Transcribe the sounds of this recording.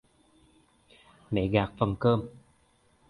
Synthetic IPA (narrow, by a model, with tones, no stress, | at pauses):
mḛ˧˦ɣaː˨˩k̚fə˨˩nkəː˧m